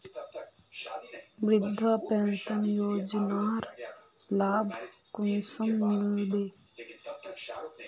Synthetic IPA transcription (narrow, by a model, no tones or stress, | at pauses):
bɾɪd̪ʱːapeːnsənjoːd͡ʒnaːɾ | laːbʱkʊnsəmːɪllbeː